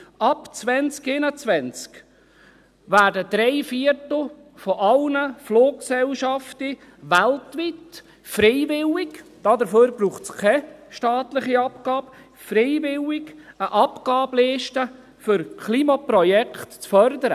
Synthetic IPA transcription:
ɑpt͡svɛnt͡skɪnət͡sʋɛnt͡sk | ʋæːɾdəd̥̪ɾɛɪfiətl̩ˠ | fɔʔɑlnəfloːkksɛlʃɑfti | ʋæltʋit | fɾeɪvɪlɪkd̥ɑd̪əɾføːɾbruːχtt͡skʰɛʃtɑːtlɪχiɑpkɑːb | fɾeɪvɪlɪɡəʔɑpɡ̥ɑːbleːʃtə | fʏɾkʰliːmɑprɔjɛkχtt͡sfœɾdəɾə

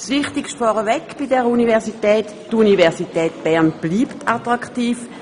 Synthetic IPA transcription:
sʋɪχtɪkʃtfɔːʁəvɛkb̥idɛʁəunivɛʁsitɛːt | tunivɛʁsitɛːt̚b̥ɛʁnb̥liːptatʁaktiːf

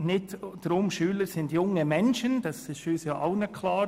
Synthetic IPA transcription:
nɪtd̥ɾʊmʃyːləɾsɪndjʊŋəmɛnʃənd̥ɑsɪsyːsjɑːʔaʊnəkʰlɑː

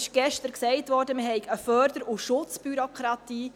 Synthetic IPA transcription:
ɪʃɡ̥ɛʃtəɾksɛɪtʋɔɾdəmɪhɛɪkəfœːɾdəɾuʃʊt͡sb̥yɾokχɾɑt̪iː

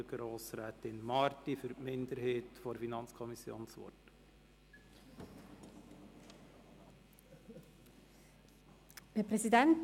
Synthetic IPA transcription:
ɡ̥ɾoːsɾɛːtɪnmɑːɾtifyɾpmɪnd̪əɾheːtfɔɾfinɑnt͡skʰɔmisːjo̰ːnsʋɔ̰t | hɛpɾɛsidɛnt

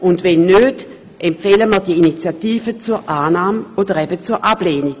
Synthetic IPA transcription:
ʔʊndvɛnːøːt | ʔɛmfeːləməʁdiəinit͡sjatiːvət͡suɐʁʔaːnaːmodəʁɛbət͡suːɐʔab̥leːni

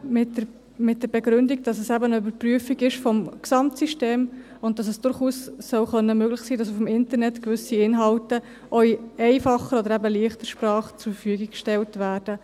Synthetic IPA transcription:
mɪt | mɪt̚d̥əɾbɛɡɾʏndiɡ̚d̥ɑsəsæbənəybəɾpryəfiɡɪʃfɔmksɑmtsiʃteːm | ʊnt̚dɑs̬ɛsd̥ʊɾχuːsːœwχœnːəmøːɡlɪχsiːdɑsufmɪntənɛtkvʏsiɪnɦɑltə | ʔœʏjɛɪfɑχəɾɔd̪əɾæbəliːəχt̪əɾʃpɾɑːχt͡sufəfyəɡikkʃtɛltvæːɾd̥ə

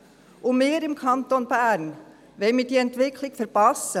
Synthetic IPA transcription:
umɪːɾɪmkʰɑnt̪onbæːɾn | ʋɛɪmɪd̥iːɛntʋɪkʰlɪkfəɾpɑsːə

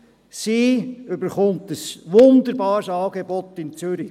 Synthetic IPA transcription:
siʏbəɾχʊnt̪əsʋʊnd̪əɾbɑːɾsɑːɡebɔt̪ːɪnt͡sʏɾi

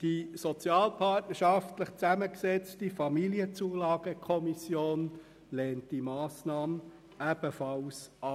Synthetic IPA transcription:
d̥isɔt͡sjɑːlpʰɑtnəʃɑftləχt͡sæməksɛt͡stifɑmiliət͡suːlɑːɡ̥əkʰɔmisjoːn | lɛːntd̥imɑːsnɑːm | æb̥əfɑlsɑ

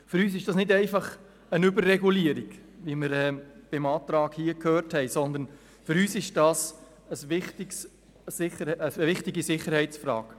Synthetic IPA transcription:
fʏɾyːs̬ɪʃd̥ɑsnɪdɛɪfɑχ | ənʏbərːɛɡuliəɾɪɡ̥ʋiməɾɛːb̥ɪmɑːt̪ɾɑːkhiːəkʰhøːɾthɛɪsɔnd̪ən | fʏɾyːsɪʃd̥ɑːs | əsʋɪχtɪks | sɪχəəəʋɪχtɪɡisɪχːəɾhɛɪt͡sfɾɑ̰ːk

